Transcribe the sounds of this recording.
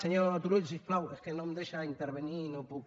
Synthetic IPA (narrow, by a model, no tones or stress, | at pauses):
seɲoɾaat̪uɾoʎsisplaweskenõmd̪eʃaint̪eɾβeninõpuk